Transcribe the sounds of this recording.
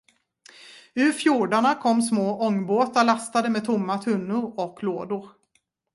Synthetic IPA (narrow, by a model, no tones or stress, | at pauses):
ʉ̟ːɾfjuːɖaɳakʰɔmːsmoːʔɔŋːboːt̪aɭast̪ad̪əmeːd̪t̪ʰʊmːat̪ʰɵnːʊɾɔkʰloːd̪ʊɾ